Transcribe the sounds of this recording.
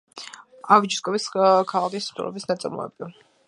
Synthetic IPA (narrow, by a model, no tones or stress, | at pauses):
avid͡ʒiskʼɔviskʰːalˠakist̪ʼṵɾɔ̰bisnat̪sʼɛ̰mɔ̰ɛ̰bi